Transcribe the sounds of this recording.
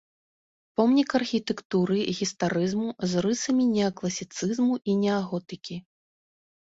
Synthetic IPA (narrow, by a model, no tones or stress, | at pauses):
pɔmnʲikɐrxʲit̪ɛkt̪uɾɨɣʲist̪aɾɨzmuzrɨsɐmʲinʲɛɐklˠɐsʲit̪sɨzmuʔinʲɛaɣɔt̪ɨkʲi